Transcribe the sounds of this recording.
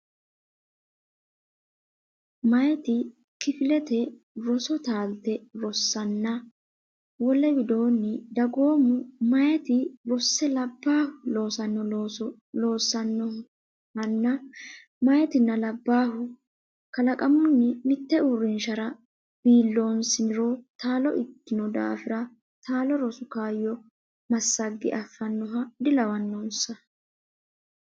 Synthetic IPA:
mɐjɛt̪ɪ | kɪfɪlɛt̪ɛ | ɾɔsɔt̪aːlt̪ːɛɾɔsːɐnːɐ | wɔlːɛbɪd̪o̞ːnːɪd̪ɐɡo̞ːmʊmɐjɛt̪ɪɾɔsːɛlɐbːaːhʊloːsɐnːɔ | loːsːɐnːɔ | hɐnːɐ | mɐjɛt̪ɪnːɐlɐbːaːɦʊ | kɐlɐkʼɐmʊnːɪmɪt̪ːɛʊɾːɪnʃɐɾɐ | b̥iːlːo̞ːnsɪnɪɾɔt̪aːlɔʔɪkːɪnɔd̪a̰ːfɪɾɐ | t̪aːlɔɾɔsʊkaːjːɔ | mɐsːɐɡːɪ̰ʔɐfːɐnːɔɦɐd̪ɪlɐwɐnːoːnsɐ

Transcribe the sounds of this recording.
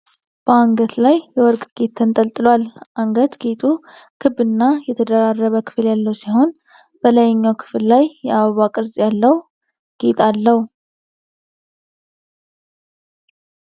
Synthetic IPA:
b̥əaŋɡət̪lajːɛwɔɾkʼt̪ɡ̥et̪ʰːənt̪ʼəlt̪ʼɨlwalʔaŋɡət̪ɡet̪ʼu | kʰɨbɨnːajɛt̪ʰəd̪əɾarːəβəkʰɨ̥fɨljalːəwsiho̞n | b̥ələjɛɲːawkʰɨ̥fɨllajjɛʔaβəβakʼɨɾzʼjalːəw | ɡ̥et̪ʰʼalːəw

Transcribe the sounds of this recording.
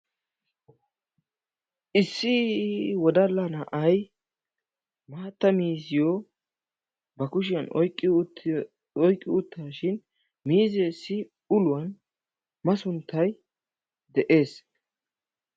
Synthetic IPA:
ʔɪsːɪwɔd̪ɐlːɐnɐʔɐj | maːt̪ːɐmiːsɪjɔ | bɐkʊʃɪjɐnɔjkʼːɪ | ɔjkʼːɪʊt̪ːaːʃɪn | miːzeːsːɪ | ʊlʊwɐn | mɐsʊnt̪ʰːɐj | d̪ɛʔe̞ːs

